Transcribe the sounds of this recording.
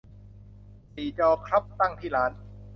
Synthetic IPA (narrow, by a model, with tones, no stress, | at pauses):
siː˨˩t͡ɕɔː˧kʰɾa˦˥p̚t̪a˥˩ŋt̪ʰiː˥˩laː˦˥n